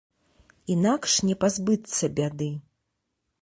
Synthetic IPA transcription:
inakʂnʲɛpazbɨt̪sːɐbʲad̪ɨ

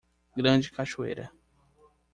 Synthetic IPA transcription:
ɡɾɐ̃d͡ʒɪkaʃuḛjɾɐ̰

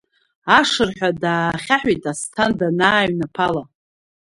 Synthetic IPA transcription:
aʂɨrħʷᶣadaːχʲaħᶣʷitʼastʰandanaːɥnapʰala

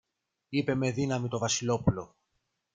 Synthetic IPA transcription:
ipe̞me̞ðinɐmit̪o̞vɐsilo̞pulo̞

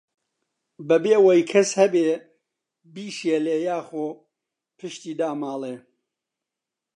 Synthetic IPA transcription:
bɐbeːwɐjkʰɐshɐbeː | biːʃeleːjaːxoː | pʰɨʃt̪iːd̪aːmaːlˠeː

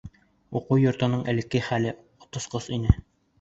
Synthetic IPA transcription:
uquwjŏɾt̪ɤ̆nɤɴʔɘ̆lɘ̆kɘχælɘ | ot̪ŏsqɤsinɘ

